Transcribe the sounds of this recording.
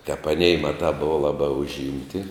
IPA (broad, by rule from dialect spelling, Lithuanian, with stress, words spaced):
tʲɛp ɐˈnʲɛɪ ˈmɑːˌtɑː ˈboːʋɐ ˈlˠɑːˌbɑː ʊʒʲˈɪmʲtʲɪ